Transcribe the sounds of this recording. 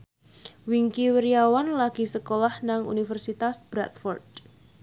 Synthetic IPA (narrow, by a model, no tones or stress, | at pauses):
wiŋkiwəɾiawanlaɡ̥i̤səkolahnaŋṵnifərsit̪asb̥ɾa̰t̪fɔrd̥